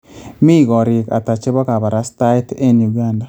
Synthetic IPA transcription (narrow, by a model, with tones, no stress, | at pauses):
mi˦˨ɡɔ˨ɾɪ˨ka̰˨ta˨t͡ʃe˦βɔ˦ka˨ba˨ɾa˦sta˦jte˦nju˨ɡa˦nda˨